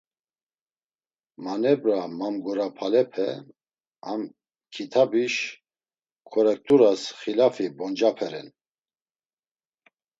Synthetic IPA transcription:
manɛbɾamamɡɔɾapʰalɛpʰɛ | am | kʰit̪ʰabiʃ | kʰɔɾɛk̚t̪ʼuɾasχilafibɔnd͡ʒapʰɛɾɛn

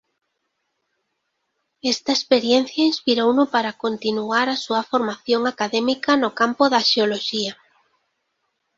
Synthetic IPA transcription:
ɛst̪ɐespeɾjen̟θjɐinspiɾownʊpaɾakont̪inuaɾasuɐfoɾmaθjoŋakaðɛmikɐnʊkampoðɐʃeoloʃiɐ

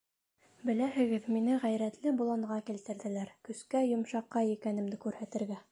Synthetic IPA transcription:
bɘ̆læhɘ̆ɡɘðminɘʁæjɾæt̪lɘbulˠɑɴʁɑkilt̪ɘ̆ɾðɘ̆læɾkɵ̆skæjŏmʃɑqːɑjikænɘ̆md̪ɘkʉɾhæt̪ɘ̆ɾɡæ

